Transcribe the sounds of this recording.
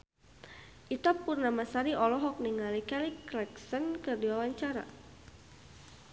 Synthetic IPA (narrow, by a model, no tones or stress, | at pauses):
ʔit̪apurnamasaɾiʔɔlɔɦɔk̚niŋalikɛliklɛksənkərdiwawaɲt͡ʃaɾa̰